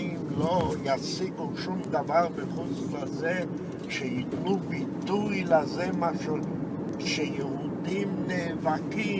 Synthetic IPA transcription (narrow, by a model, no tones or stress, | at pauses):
imlojasiɡuʃumd̪avaʁbeχozʁaze | ʃejit̪nubit̪ujlazemaʃu | ʃejeud̪imneːvaki